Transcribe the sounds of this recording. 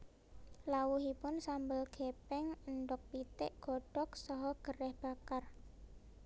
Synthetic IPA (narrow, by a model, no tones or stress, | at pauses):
lawuɦipʊnsambəlɡ̥epɛŋəɳɖʊk̚pit̪ɪʔɡ̥ɔ̤ɖ̥ɔk̚sɔɦɔɡ̥ərɛhb̥a̤kar